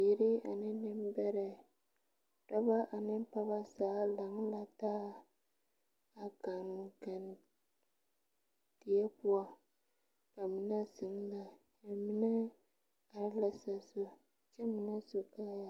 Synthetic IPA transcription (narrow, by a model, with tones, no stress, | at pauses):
i˨ɾɪ˦a˨nɪ˦nɪ˦m˦bɛ˦ɾa˨ | tɔ˦ba˦ʔa˨nɪ˦m˦pa˦ba˦saː˨˦la˨ŋ˦la˦taː˦ | a˨ka˨ŋ˨ka˨n | ti˨ɛ˦pu˦a˦ | ka˨mi˨na˦sɪ˨ŋ˦la˨ | ja˨mi˦na˦ | a˨ɾla˦sa˨so˦ | t͡ʃɛ˦mi˨na˦so˨ka˦ja˨